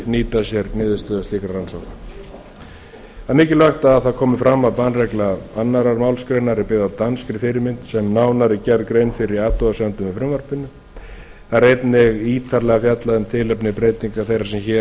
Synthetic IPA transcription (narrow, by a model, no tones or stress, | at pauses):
niːt̪asjɛɾnɪːðʏst̪œːðasliːkɾaransɔwka | aðmɪːcɪlœxt̪aːðθaðkʰɔːmʏfɾamːaðpanrɛklaanːaɾaɾmaːwlskɾejnaɾɪpɪɣðat̪anskɾɪfɪɾɪɾmɪnt̪sɛmnaːwnaɾɪcɛɾkɾejnfɪɾɪɾaːt̪uasɛnt̪ʏmɪfɾʏmvœɾ̥pɪnːʏ | θaɾejt̪nɪɣiːt̪ʰaɾlɛɣafjat̪laðʏmt̪ʰɪlœpnɪpɾeːjt̪iŋkaθejrḁɾsɛmçɛ